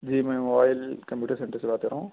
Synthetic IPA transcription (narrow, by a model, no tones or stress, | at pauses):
d͡ʒiːmɛ̃ːmobaːɪlkɐmpjuːʈəɾsẽɳʈəɾsebaːt̪̚kɐɾaːɦũ